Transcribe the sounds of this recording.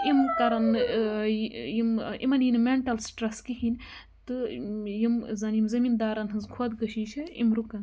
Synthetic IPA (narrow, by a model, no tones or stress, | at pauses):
imkɐɾɐn | jimḭmɐnjinmeɳʈɐlsʈɾɐskiɦinʲ | t̪ɨjimzɐnjimzɐmind̪aːɾɐnɦɨnzkʰuɐd̪ɡɐʃiːʃʰɐḭmɾukɐn